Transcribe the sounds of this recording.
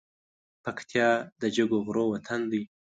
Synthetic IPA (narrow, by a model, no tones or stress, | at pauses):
pakt̪ʰjɑd̪əd͡ʒəɡoɣɾowat̪ʰand̪ij